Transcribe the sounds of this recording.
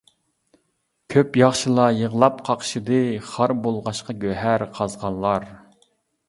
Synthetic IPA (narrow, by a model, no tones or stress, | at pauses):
kʲʰøpjɑχʃɨlˠɑjəʁlˠɑp̚qʰɑqʰʃɨd̪ɨχɑɾbolˠʁɑʃqɑɡʲøɦæɾqʰɑzʁɑnlˠɑɾ